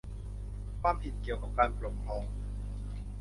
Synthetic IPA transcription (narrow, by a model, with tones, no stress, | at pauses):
kʰwaː˥˩mpʰi˨˩t̪̚ki˨˩əwkaː˨˩p̚kaː˧nplo˨˩mpʰɔː˧ŋ